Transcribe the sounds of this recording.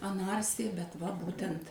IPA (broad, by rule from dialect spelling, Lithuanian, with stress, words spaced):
ɐˈnɐrʲsʲɪjɛ bʲɛt ʋɐ ˈbuːtʲɛnt